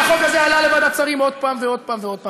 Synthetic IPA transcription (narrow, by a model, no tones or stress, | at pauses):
χokazealale̞vad̪at͡saʁimo̞d̪̚paːmveo̞d̚paːmveo̞d̚pa